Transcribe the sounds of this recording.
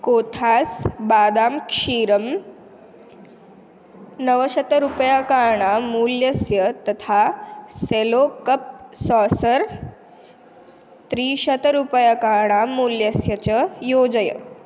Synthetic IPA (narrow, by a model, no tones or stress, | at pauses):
kot̪ʰasbaːd̪aːmkʂiːɾəm | nəʋəɕət̪ɾupəjakaɾɳamuːljəsjət̪ət̪ʰaselokəp̚sɔsəɾ | t̪ɾiɕət̪ɾupəjakaɾɳamuːljəsjət͡ɕəjod͡zəjə̰